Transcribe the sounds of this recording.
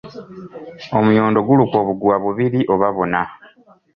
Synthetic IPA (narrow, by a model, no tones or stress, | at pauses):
o̞mujoːndo̞ɡulukoβuɡuwaβuβiɾiʔo̞βaβo̞na